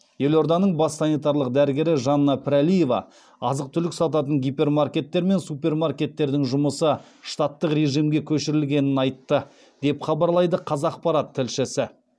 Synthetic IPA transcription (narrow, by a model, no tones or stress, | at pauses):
je̞lo̞ɾd̪ɑnəɴbɑsːɑnijt̪ɑɾlˠəq̚d̪æɾɪɡʲe̞ɾɪʒɑnːɑpʰɪɾalije̞vɑ̰ | ɑzəq̚t̪ʰʏlɪksɑt̪ɑt̪̬əɴɡʲipʲe̞rmarkʲe̞t̪ːe̞ɾme̞nsupe̞rmarkʲe̞t̪ːe̞ɾd̪ɪŋʒʊməsə | ʃt̪at̪ːəqre̞ʒijmɡʲe̞kʲʰɵʃɪɾɪlɡʲe̞nɪnɑjt̪ːə | d̪̥e̞pχɑbɑɾlˠɑjd̪əqʰɑzɑːq̚pɑɾɑt̪ʰːɪlʃɪsɪ